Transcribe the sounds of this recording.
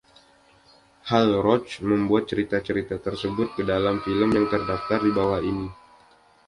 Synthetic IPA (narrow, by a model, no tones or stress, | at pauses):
halɾɔt͡ʃməmbuat̪̚t͡ʃəɾit̪at͡ʃəɾit̪at̪ərsəbʊt̪̚kədalamfiləmjaŋt̪ərdaft̪ardibawahini